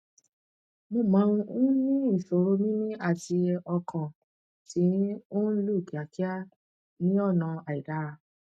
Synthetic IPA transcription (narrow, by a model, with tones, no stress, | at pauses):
mo˧˨mã˨˦˧ũ˦nĩ˦i˦˨so˨ɾo˦mĩ˦nĩ˦a˦˨ti˧ɔ˧kʰã˨ | tĩ˨˦o˦n̩˦lu˦˨ki˨a˨ki˦a˦ | nĩ˦ɔ˦˨nã˨˧a˨i˨da˨˦˨